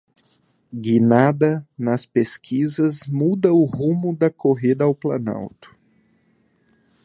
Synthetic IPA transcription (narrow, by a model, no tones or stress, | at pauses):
ɡinad̪ɐnɐspeskʰizɐzmud̪ɐʊhũmʊd̪ɐkʰoɦid̪ɐawplana̰wt̪ʊ̥